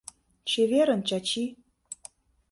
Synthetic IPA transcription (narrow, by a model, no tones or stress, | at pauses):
t͡ɕeβeɾə̆nt͡ɕɑt͡ɕi